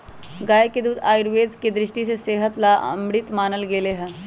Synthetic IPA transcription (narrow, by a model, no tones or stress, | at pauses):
ɡaːjeked̪uːd̪a̰ːɪɾʋeːd̪ked̪ɾɪʃʈiseseːɦət̪laːʔə̰mɽɪt̪maːnəlɡeːleɦɛ̃ː